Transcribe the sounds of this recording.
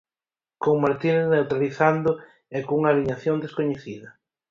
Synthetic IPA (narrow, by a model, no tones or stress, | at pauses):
koŋmaɾt̪innewt̪ɾaliθand̪ʊ | ɛkouŋaːliɲaθjond̪eskoɲeθiðɐ